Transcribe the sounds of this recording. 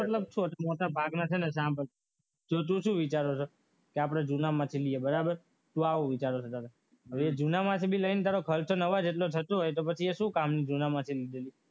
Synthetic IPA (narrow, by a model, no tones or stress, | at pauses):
məʈləb̚t͡ʃʰoʈ̪amoʈabʱaɡnat͡ʃʰenes̬ãmpəɾ | d͡ʒot̪̬ũʃũʋit͡ʃaɾot͡ʃʰo | keapɽ̃ad͡ʒunamãt̪ʰiliebəɾabəɾ | t̪ũaʋoʋit͡ʃaɾot͡ʃʰot̪aɾa | əed͡ʒunamãt̪ʰibʱiləinet̪̬aɾokʰəlt͡ʃʰonəʋad͡ʒeʈlot̪ʰət̪oɦojt̪̬opət͡ʃʰieʃũkamnid͡ʒunamãt̪ʰilid̪eli